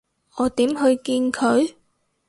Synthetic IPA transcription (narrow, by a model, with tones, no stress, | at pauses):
ʔɔː˨˧t̪iː˨˥mɦɵ˧ɥkiː˧nkʰɵ˨˧ɥ